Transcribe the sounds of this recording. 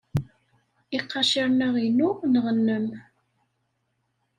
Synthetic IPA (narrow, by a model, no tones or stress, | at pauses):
iqːɑʃiɾnəʁinʊʁnəʁənːəm